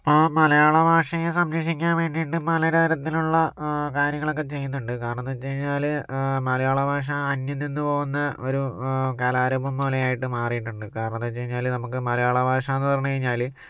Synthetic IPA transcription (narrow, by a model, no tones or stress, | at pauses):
pomɐlɐjaːɭɐbʱaːʂɐjesɐmɐʂikʲːaːnʋe̞ːɳɖijʈːɨpɐlɐɾɐɐɾɐt̪ːiluɭːɐkaːɾjɐŋːɐɭo̞k̬ːet͡ɕe̞junːuɳɖɨkaːɾɐɳɐt̪ːeːt͡ɕːejiɲːaːlmɐlɐjaːɭɐbʱaːʂ̬ɐːnjɐnːinːɨpo̞ːɣunːɐo̞ɾukɐːlaːɾɐbumboːlejaːjiʈːɨmaːrijiʈːuɳɖɨkaːɾɐɳɐt̪ːet͡ɕːejiɲːaːlnɐmukːɨmɐlɐjaːɭɐbʱaːʂɐenːɨpɐrɐɲːut͡ɕɐɾiɲːaːl